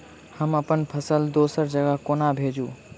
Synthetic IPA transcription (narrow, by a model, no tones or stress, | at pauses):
həməpənpʰəsəld̪osəɾd͡ʒəɡəkonabʱed͡ʒu